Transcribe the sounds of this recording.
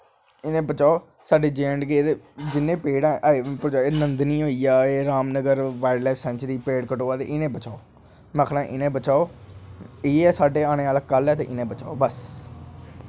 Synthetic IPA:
ɪnẽːbət͡ʃaːoː | saːɖeːd͡ʒẽːɳɖɡeːd̪ed͡ʒɪnːẽːpeːɽãːeːpəɾt͡ʃaeːnənd̪nĩːɦoːiːaːeːɾaːmnəɡəɾʋaːɪɖlɛːfsɛ̃ːnt͡ʃɾiːpeːɽkəʈoːaːt̪ḛːʔɪnẽːbət͡ʃaːoː | məkʰnãːʔɪnẽːbət͡ʃaːoː | eːɛːsaːɖeːaːɽ̃eːaːlakəlɛːt̪eːʔɪnẽːbət͡ʃa̰ːoːbəs

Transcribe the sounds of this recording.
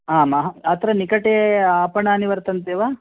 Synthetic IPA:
aːmaɦɐɐt̪ʰɾɐnikɐʈeaːpɐɳɐːniʋɐɾt̪ɐnt̪eːʋaː

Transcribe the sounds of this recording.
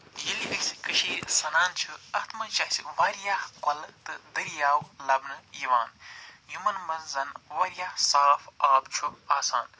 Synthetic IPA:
jiliʔəsʲkɨʃiːsɐnaːnt͡ʃʰuɐt̪ʰmɐt͡ʃɐsʲikʋaːɾjaːhkɐlt̪ɨd̪ɐɾjaːwlɐbnɨjiʋaːnjumɐnmɐzzɐnʋaːɾjaːhsaːfaːb̚t͡ʃʰuaːsaːn

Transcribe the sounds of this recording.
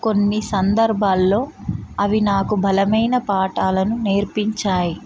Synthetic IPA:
ko̞nːisɐnd̪ɐɾbʱaːlːo̞ːɐʋinaːkubʱɐlɐmɐjnɐpaːʈaːlɐnune̞ːɾpiɲt͡ʃaːji

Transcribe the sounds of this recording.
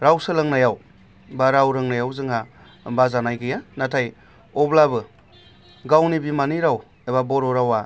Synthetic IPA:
ɾawsɯlaŋnajaw | baɾawɾɯŋnajawzɯŋa | bazanajɡɯjanatʰaj | ɔblabɯ | ɡawnibimaniɾaw | ebabɔɾɔɾawa

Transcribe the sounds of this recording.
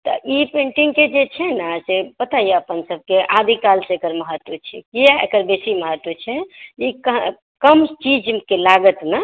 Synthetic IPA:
t̪ɔ̰ʔipẽɳʈiŋɡked͡ʒet͡ʃʰɛnasepət̪ajeəpənsəb̚keʔad̪ʱikalsẽekəɾməɦət̪wət͡ʃʰɛ̰kijaḛkəɾbesiməɦət̪wət͡ʃʰɛikə | kəmt͡ʃid͡ʒkelaɡət̪na

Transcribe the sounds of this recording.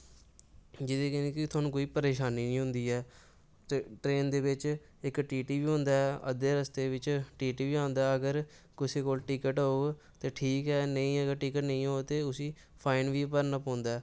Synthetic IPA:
d͡ʒɪd̪eːkɛnẽːkɪt̪ʰoaːnũːkoːiːpəɾeːʃaːniːnĩːɦʊ̃nd̪iːɦɛː | t̪ːʈɾeːnd̪eːʋɪt͡ʃ | ɪkʈiːʈiːʋiːɦʊ̃nd̪aːɛːʔə̰d̪eːɾəst̪eːʋɪt͡ʃʈiːʈiːʋiːãːnd̪aːəɡəɾ | kɪseːkoːlʈɪkəʈɦo | t̪eːʈʰiːkɛːnəĩːəɡəɾʈiːkəʈnəĩːɦoːt̪eːʊsiː | pʰaːɪnʋiːpəɾnapɔ̃ːnd̪aːɛː

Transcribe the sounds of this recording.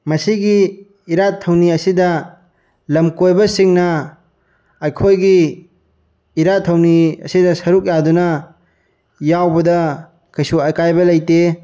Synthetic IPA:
mɐsiɡiː | ɾatʰɐwniɐsidɐ | lɐmkojbɐsiŋnɐ | ɐjkʰojɡi | ɾatʰɐwniɐ̰sidɐsɐɾuk̚jadunɐ | jawbɐdɐ | kʰɐjsuɐkajbɐlɐjte

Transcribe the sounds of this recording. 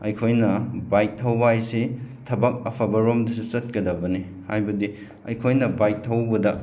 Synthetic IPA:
ɐjkʰojnɐbaj̚tʰɐwbajsetʰɐbɐk̚ɐpʰɐbɐɾomdisusɐt̚kɐdɐbɐni | hajbɐdi | ɐjkʰojnɐbaj̚tʰːɐwbɐdɐ

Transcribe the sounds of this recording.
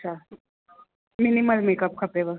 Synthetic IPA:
t͡ʃʰa | miniməlmeːkəp̚kʰɐpebə

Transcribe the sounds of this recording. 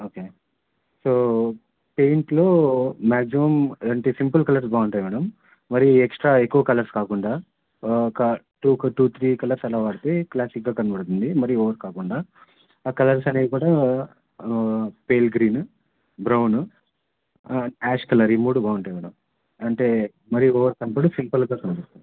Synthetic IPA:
oːkeː | soː | pe̞jɳʈlo̞ːmaːksimɐmɐɳʈeːsimpɐlkɐlɐɾsbaːuɳʈɐjʋɐɽɐmː | ɐɾiieksʈɾaːekːuʋɐkɐlɐɾskaːkuɳɖaː | kɐ | ʈuːkɐʈuːt̪ʰɾiːkɐlɐɾsɐlaːʋaːɽut̪eklaːsik̚ɡaːkɐnɐbɐɽt̪und̪imɐɾijuɔːʋɐɾkaːkuɳɖaː | kɐlɐɾsɐne̞ːd̪ikuːɽaː | peːlɡɾiːn | bɾɐwn | aːʂkɐlɐɾimuːɽubaːʋuɳʈɐjʋɐɽɐ̰m | ɐɳʈeː | mɐɾijuɔːʋɐɾkɐnpɐɽusimpɐlɡaːkɐnɐbɐɽt̪uni

